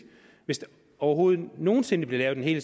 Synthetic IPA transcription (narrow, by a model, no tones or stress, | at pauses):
ʋe̝sd̥ | ɒʊɐɦo̝ːð̞̩ˠno̝ːn̩se̝nb̥le̝lɛːʊ̥enɦe̝̰ːlə